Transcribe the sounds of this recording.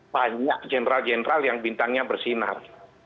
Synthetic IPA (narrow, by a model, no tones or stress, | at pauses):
b̥aɲaʔd͡ʒɛnɾald͡ʒɛnɾaljaŋbint̪aŋɲabərsina̰r